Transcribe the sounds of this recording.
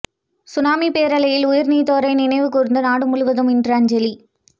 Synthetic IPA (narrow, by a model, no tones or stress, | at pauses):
sʊnaːmipeːɾɐlɐjɪlʊjɪɾniːt̪oːɾɐɪnɪnɐɪʋɯkːʊɾɯnd̪ɯnaːɽɯmʊɻʊʋɐðɯmɪndrɐɐɲd͡ʒɐli